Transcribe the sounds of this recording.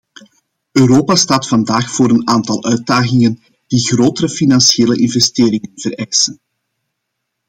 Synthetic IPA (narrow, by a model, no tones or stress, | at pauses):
ʔøːɾoːpastaːtfɑndaːxfoːɾənaːntɑlˠʔœɥt̚daːɣɪŋən | d̥iɣroːtəɾəfinɑnsieːləʔɪnvɛsteːɾɪŋənv̥əɾɛjsən